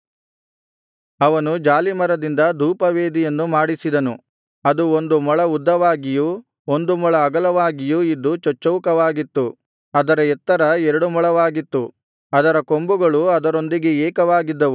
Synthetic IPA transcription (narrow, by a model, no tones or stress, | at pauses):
ɐʋɐnud͡ʒaːlimɐɾɐd̪ind̪ɐd̪uːpɐʋeːd̪ijɐnːumaːɽisid̪ɐnṵ | ɐd̪uond̪umɔɭɐud̪ːɐʋaːɡiju | o̞nd̪umɔɭɐːɡɐlɐʋaːɡijuid̪ːut͡ʃɔt͡ʃːɐʋkɐʋaːɡit̪ːu | ɐd̪ɐɾɐɛt̪ːɐɾɐɛɾɐɽumɔɭɐʋaːɡit̪ːu | ɐd̪ɐɾɐko̞mbuɡɐɭuɐd̪ɐɾo̞nd̪iɡeɛːkɐʋaːɡid̪ːɐʋu